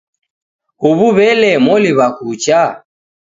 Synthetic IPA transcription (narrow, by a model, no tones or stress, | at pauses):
huβuβɛlɛmɔliβakut͡ʃa